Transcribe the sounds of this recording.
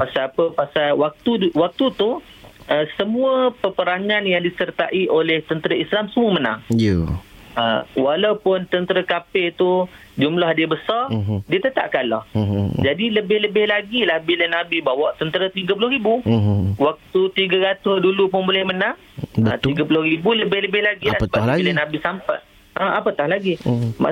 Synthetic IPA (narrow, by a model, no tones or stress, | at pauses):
pasaapəpasalwak̚t̪uwak̚t̪ut̪u | əsəmũəpəpəɾaŋanjaŋdisərt̪aʔiʔolɛht̪ənt̪əɾəislamsəmuəməna̰ŋ | əwalawpʊnt̪ənt̪əɾəkapɪt̪u | d͡ʒumlahdiəbəsardiət̪ət̪a̰ʔ̚kanlɔhd͡ʒadiləbɪhləbɪhlaɡilahbilənabibawɔʔt̪ənt̪əɾat̪iɡapulʊhribuwak̚t̪ut̪iɡaɾat̪ʊsdulupʊnbolɛhmənãŋ | ət̪iɡapulʊhribuləbɪhləbɪhlaɡilasəbailənabisampa̰j | əapət̪ahlaɡima̰